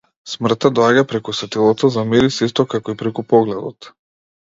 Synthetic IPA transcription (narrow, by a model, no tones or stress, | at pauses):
smr̩t̪ad̪ɔaɟapɾɛkusvɛt̪ilˠɔt̪ɔzamiɾisist̪ɔkakɔipɾɛkupɔɡlɛd̪ɔt̪